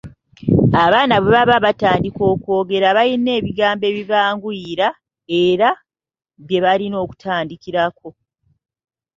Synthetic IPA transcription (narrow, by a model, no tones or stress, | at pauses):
aβaːnaβe̞βaβaβataːndiko̞ːkwo̞ːɡe̞ɾaβajine̞ːβiɡaːmbe̞ːβiβaːŋɡuiɾa | e̞ɾa | βje̞βalino̞ːku̥tʰaːndikiɾako̞